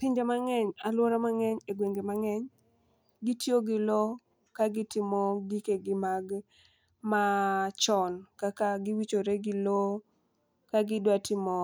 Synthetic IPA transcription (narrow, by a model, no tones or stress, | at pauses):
pɪɲd͡ʒemaŋɛɲalwɔɾamaŋɛɲeɡweŋɡemaŋɛɲ | ɡitjoɡɪlo | kaɡɪtɪmɔdikeɡɪmaɡ | mat͡ʃɔnkakaɡɪwit͡ʃoɾeɡɪlo | kaɡɪdwatɪmɔ